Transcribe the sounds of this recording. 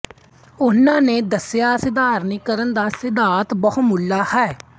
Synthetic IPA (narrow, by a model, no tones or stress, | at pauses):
ʊnãːnẽːd̪əsjaːsɪd̪aːɾniːkəɾənd̪aːsɪd̪aːt̪bəɦmʊlːaːhɛː